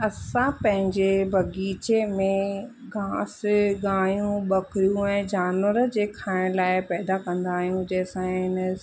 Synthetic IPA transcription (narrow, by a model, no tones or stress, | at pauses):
ɐsãpɐ̃ɦɪ̃ɲd͡ʑebʱɐɡiːt͡ɕemẽ | ɡʱãːsɡaːjũɓɐkɾijũɛ̃ːd͡ʑaːnʋəɾəd͡ʑeːkʰaːɪɽ̃laːɪpɛːd̪akɐ̃nd̪aːɦijũd͡ʑɛːsãɪnə